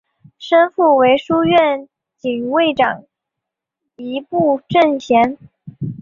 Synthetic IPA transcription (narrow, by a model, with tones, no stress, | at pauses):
ʂə˥nfu˥˩we˧˥ɪʂu˥ɥɛ˥˩n | t͡ɕi˨˩ŋ˧˥we˥˩ɪʈ͡ʂɑ̰˨˩ŋ | i˧˥pu˥˧ʈ͡ʂə˥˩ŋɕʰjɛ˧˥n